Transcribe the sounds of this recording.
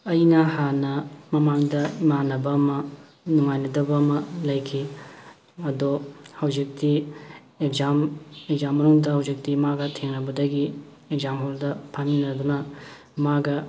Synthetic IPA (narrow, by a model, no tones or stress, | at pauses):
ɐjnɐhanɐmɐmaŋdɐimanɐbɐːmɐ | nuŋajnɐdɐbɐːmɐlɐjkʰi | ɐdohɐwzik̚ti | ek̚zamekzamːɐnuŋdɐhɐwzik̚timaɡɐtʰeŋnɐbɐdɐɡi | ekzamɦoldɐpʰaninɐdunɐ | maɡɐ